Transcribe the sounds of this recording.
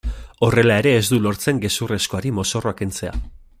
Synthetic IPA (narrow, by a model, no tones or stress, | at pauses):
o̞re̞lae̞ɾe̞ːzd̪ulo̞ɾt͡se̞ŋɡe̞sure̞sko̞aɾimo̞so̞roakent͡se̞a̰